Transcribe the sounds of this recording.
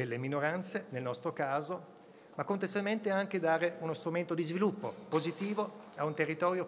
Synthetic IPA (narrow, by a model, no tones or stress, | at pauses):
elːeminoɾant̪senelnɔst̪ɾokaːzo | makːont̪est̪walment̪eaŋk̟ed̪aːɾeunost̪ɾument̪od̪izvilupːopozit̪iːvo | aunt̪erːit̪ɔːɾjo